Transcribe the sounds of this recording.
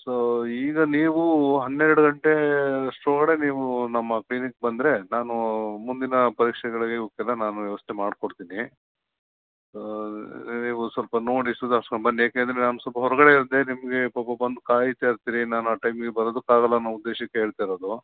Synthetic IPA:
soiːɡɐniːʋuɦɐnːeɾɽuɡɐɳʈe̞ɐʂʈɾoːkɐɽe̞niːʋunɐmːɐkliːnikbɐnd̪ɾe̞naːnumund̪inɐpɐɾiːkʂɛɡɐɭɐɡeokɛlːɐnaːnuʋjɐʋɐst̪ʰemaːɖkoɽt̪iːni | niːʋusʋɐlpɐno̞ːɽisud̪ɐʂʈɐbɐnd̪jaːkeːnd̪ɾenaːnusɐlpɐɦɔɾɐɡɐɽe̞iɾɐd̪e̞nimɐɡe̞pɐpɐbɐnd̪ukaːjit̪eːɾt̪iːɾinaːnuaːʈɐjmiɡebɐɾɐd̪ukːaːɣɐlːɐnɐud̪ːeːʃɐkːeɦeːɭt̪ajɾoːd̪u

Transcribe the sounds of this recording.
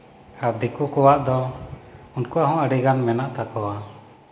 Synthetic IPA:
aɾd̪ikukɔwaʔd̪ɔ | unkuaɦɔ̃əɖiɡanmɛnaʔt̪akɔwa

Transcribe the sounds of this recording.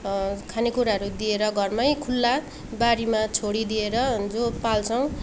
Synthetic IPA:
kʰanekuɾaɦʌɾud̪ieɾʌɡʱʌrmʌjkʰulːa | baɾimat͡sʰoɽid̪ieɾʌd͡zopalt͡sʰʌw̃

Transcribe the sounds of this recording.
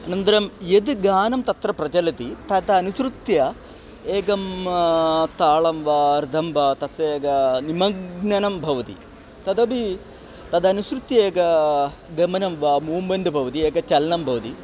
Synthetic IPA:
ɐnɐnt̪ɐɾɐmjed̪ɡaːnɐmt̪ɐt̪ɾɐpɾɐt͡ʃɐlɐt̪it̪ɐt̪ɐɐnusɾut̪jɐ | eːɡɐm | t̪aːɭɐmʋaːɾid̪ʱɐmbaːt̪ɐseːɡɐnimɐɡnɐnɐmbʱɐʋɐt̪ḭ | t̪ɐd̪ɐbi | t̪ɐd̪ɐnusɾut̪jɐeːɡɐ | ɡɐmɐnɐmʋaːmuːmbɐnd̪ɐbʱɐʋɐt̪ieːɡɐt͡ʃɐlɐnɐmbʱɐʋɐt̪i

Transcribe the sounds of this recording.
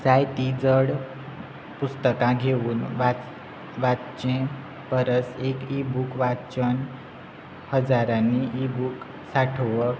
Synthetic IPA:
d͡zajt̪id͡zəɽ | pust̪əkãɡʱeʋuːnʋa | ʋat͡ɕẽ | pəɾəsekibukʋat͡ɕən | həd͡zaɾãnːiʔibuk | saʈʰəʋə

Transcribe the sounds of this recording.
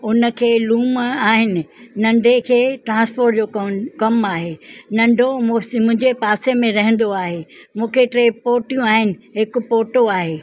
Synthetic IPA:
ʊnə̆kʰeːluːmaːɦɪnɪ̆nɐ̃ɳɖʱekʰeːʈɾãːspʰoːɾʈd͡ʑoːkɐmaːɦenɐ̃ɳɖʱommʊ̃ɦɪ̃ɲd͡ʑepaːsemẽɾɐɦə̃nd̪oaːɦemũːkʰeʈɾeːpoːʈjũaːɦɪnɪ̆ɦɪkʊ̆poːʈoaːɦeː

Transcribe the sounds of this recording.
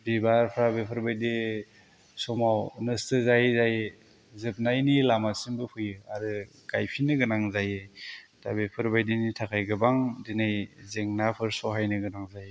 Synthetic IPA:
bibaɾpʰɾabepʰɯɾbajde | sɔmawnɯstɯzajzaj | zɯp̚najnilamasimbɯpʰujɯaɾɯ | ɡ̥ajpʰinɯɡɯnaŋzajed̥abepʰɯɾbajdinitʰakʰajɡɯbaŋdinɯjzeŋnapʰɯɾsɔɦajnɯɡɯnaŋzaje

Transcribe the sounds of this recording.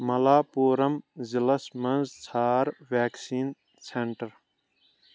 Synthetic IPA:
mɐlaːpuːɾɐmzilɐsmɐnzt͡sʰaːɾʋaːksiːn | seɳʈɐɾ

